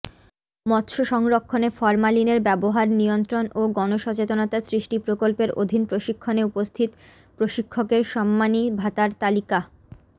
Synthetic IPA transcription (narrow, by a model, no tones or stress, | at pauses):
mɔt̪ʃoʃɔŋɾokʰːonefɔɾmalineɾbɛboɦaɾnijont̪ɾonʔoɡɔnoʃɔt͡ɕet̪onat̪asɾiʃʈipɾokolpeɾʔo̰d̪ʱinpɾoʃikʰːoneupost̪ʰit̪ | pɾoʃikʰːokeɾʃɔmːanibʱat̪aɾt̪alika